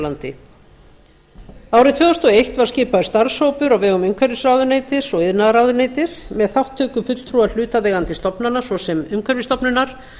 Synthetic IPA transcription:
lant̪ɪ | aːwɾɪt̪ʰvɛːɔst̪ɔejht̪vaɾ̥scɪːpaðʏst̪aɾ̥showpʏɾawvɛːɣʏmʏmkʰvɛɾvisraːwðʏneːjt̪ɪsɔɣɪðnaðɾaːwðʏneːjt̪ɪsmɛðθawht̪ʰːœːkʏfʏt̪l̥t̪ʰɾual̥ʏːt̪aðɛːɣant̪ɪst̪ɔpnanasvɔsɛmʏmkʰvɛɾvist̪ɔpnʏnaɾ̥

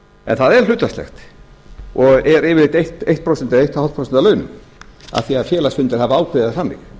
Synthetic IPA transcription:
ɛ̰nθaðɛɾ̥l̥ʏːt̪aslɛ̰xt̪ | ɔɣɛɾɪːvɪɾleɪt̪ejht̪ejht̪pʰɾowsɛnt̪ɪejht̪awhawt̪pɾows̬navlœːɥnʏ̰m | a̰θiaðfjɛːlasfʏnt̪ɪɾhavaaːwkʰvɪðasamːɪ̰ɣ

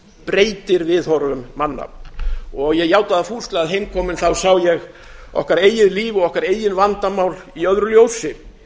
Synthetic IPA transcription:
pɾeːjt̪ɪɾvɪðhɔɾvʏmːanːa̰ | ɔɣjɛɣjaːwt̪aðafuːst̪laaðɦejmkʰɔːmɪnθawsawjɛɣ | ɔ̰hkaɾeːjɪðliːvɔɣɔhkaɾeːjɪnvant̪amawliœðɾʏljoːwsɪ

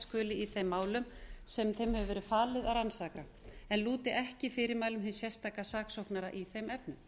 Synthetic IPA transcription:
skœːlɪiθejmːaːwlʏmsɛmθejmhɛvʏvɛːɾʏfaːlɪðaɾansaːka | ɛnluːt̪ɪʔɛhcɪfɪːɾɪɾmaːjlʏmɦɪnsjɛst̪aːkasaːksowhknaɾaʔiθejmɛpnʏm

